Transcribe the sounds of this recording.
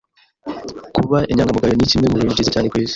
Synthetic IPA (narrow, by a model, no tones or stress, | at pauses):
kuβaʔeɲaːŋɡamuɡaɾonicimemuɾuɲiɟizecaːndekweːzi̥